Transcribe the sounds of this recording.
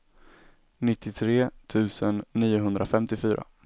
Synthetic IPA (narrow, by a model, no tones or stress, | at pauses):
nɪt̪ʰːɪt̪ʰɾeːt̪ʰʉ̟ːsənːiːʊɦɵnd̪ɾʔafɛmt̪ɪfyːɾʔa̰